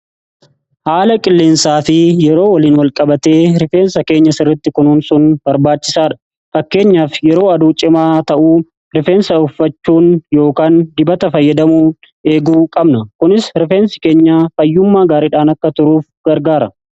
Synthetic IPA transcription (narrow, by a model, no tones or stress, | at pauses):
haːlɐkʼɪlːɪnsaːfɪjɛɾo̞ːwɐliːnwɐlkʼɐbɐt̪e̞ːɾɪfe̞ːnsɐke̞ːɲːɐsɪrːɪt̪ːɪkʊnuːnsʊnbɐɾbaːt͡ʃːɪsaːᶑɐ̥ | fɐkːe̞ːɲːaːfjɛɾo̞ːɐd̪uːt͡ʃʼɪmaːt̪ɐʔuː | ɾɪfe̞ːnsɐʊfːɐt͡ʃːuːnjo̞ːkaːnd̪ɪbɐt̪ɐfɐjːɐd̪ɐmuː | e̞ːɡuːkʼɐbnɐkʊnɪsɾɪfe̞ːnsɪ̥keːɲːaːfɐjːʊmːaːɡaːɾiːᶑaːnɐkːɐt̪ʊɾuːfɡ̥ɐɾɡaːɾɐ